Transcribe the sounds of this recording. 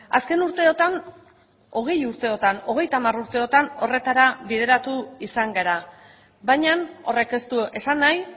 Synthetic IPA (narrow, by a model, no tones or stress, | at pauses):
aske̞nuɾt̪e̞ot̪an | o̞ɣ̞e̞juɾt̪e̞o̞t̪ano̞ɣ̞e̞jt̪amaruɾt̪e̞o̞t̪ano̞re̞t̪aɾaβiðe̞ɾat̪uisaŋɡaɾa | bajɲano̞re̞ke̞st̪ue̞sanːaj